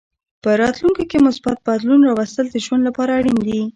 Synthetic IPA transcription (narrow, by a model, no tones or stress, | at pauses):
pəɾɑt̪luŋkokemʊsbat̪̚bad̪lunɾɑwast̪əld̪əʒwand̪lapɑɾaːɽind̪i